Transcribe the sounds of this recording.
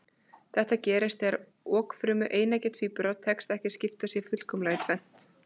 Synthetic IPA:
θɛht̪acɛːɾɪst̪ɛɾ | ɔːkfɾʏːmʏʔeːjnacɛːt̪fipɾɔt̪ʰːɛkst̪ɛhcɪ̥scɪft̪asjɛfʏl̥kɔmlaːjɪt̪ʰvɛn̥t̪

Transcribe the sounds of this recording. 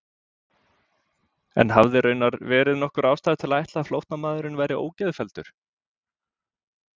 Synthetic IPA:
ɛ̰nɦavðɪɾœːɥnaɾvɛːɾɪðnɔhkʏɾaːwst̪aːjðɪt̪ʰɪlaajht̪laðflowht̪namaːðʏɾɪnvaːjɾɪʔo̰ːwcɛðfɛlt̪ʏɾ̥

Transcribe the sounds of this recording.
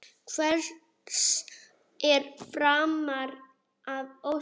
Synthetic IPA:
kʰvɛɾ̥ | s | ɛɾfɾaːmaɾ | aðow

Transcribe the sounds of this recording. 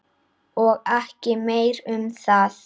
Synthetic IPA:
ɔɣɛhcɪmeːjɾʏmθaθ

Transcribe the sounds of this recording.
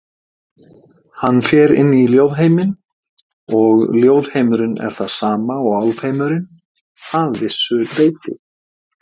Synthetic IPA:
hanːfjɛɾɪ̰nːiljowðɦejmɪn | ɔɣljoːwðhejmʏɾɪnɛ̰ɾ̥θaðsaːmaɔɣalvheːjmʏɾɪn | haðvɪsːʏt̪eːjt̪ɪ̰

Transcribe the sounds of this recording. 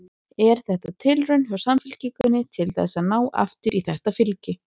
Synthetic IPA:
ɛɾ̥θɛht̪at̪ʰɪlrʏɥnœsamfɪlciːkʏnːɪt̪ʰɪlθɛ̰sːaðnaːwa̰ft̪ʏɾiθɛht̪afɪlcɪ

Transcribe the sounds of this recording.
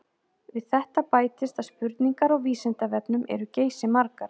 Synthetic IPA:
vɪðθɛht̪apaːjt̪ɪst̪aðspʏɾt̪niŋkaɾaɣviːsɪnt̪avɛpnʏmʔɛ̰ɾʏceːjsɪmaɾkaɾ̥

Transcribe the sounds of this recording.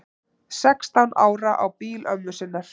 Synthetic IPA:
sɛkst̪awnaːwɾaʔawpiːlœmːʏsɪnːaɾ̥

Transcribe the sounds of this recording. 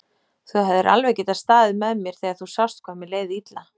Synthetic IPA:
θuɦavðɪɾʔa̰lvejcɪt̪aðst̪aːðɪðmɛðmjɛɾ̥θɛːɣaθusawst̪̚kʰɔːmɪleːjðiit̪la

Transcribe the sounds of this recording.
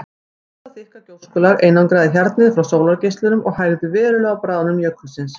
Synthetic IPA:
ɛt̪aθɪhkacowskʏːlaɾeːjnankɾaːðɪçjɛɾt̪nɪðfɾawsowlaɾcejst̪lʏnʏmʔɔɣhajɣðʏvɛːɾʏlœːɣapɾaːðanʏmjœkʰːʏsɪns

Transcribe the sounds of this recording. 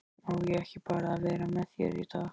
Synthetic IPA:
ɔwjɛɛhcɪpaːɾaːvɛːɾamɛðjɛ̰ɾiθa

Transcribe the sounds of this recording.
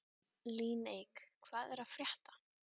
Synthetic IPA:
liːnejkkʰv̥aːðɛɾaðfɾjɛht̪ḁ

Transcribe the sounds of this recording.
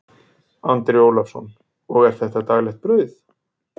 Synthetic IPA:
ant̪ɾɪoːwlafsɔ̰n | ɔɣɛɾ̥θɛht̪at̪aɣlɛxt̪̚pɾœɥθ

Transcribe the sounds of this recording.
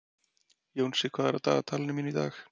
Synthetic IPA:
jownsɪkʰvaːðɛɾa̰t̪a̰ːɣat̪ʰalnɪminit̪a̰ːx

